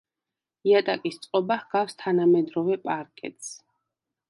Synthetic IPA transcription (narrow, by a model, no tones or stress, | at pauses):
iat̪ʼakʼist̪sʼqʼɔbahɡ̥afst̪ʰanamɛd̪ɾɔvɛpʼaɾkʼɛ̰t̪ʰʼs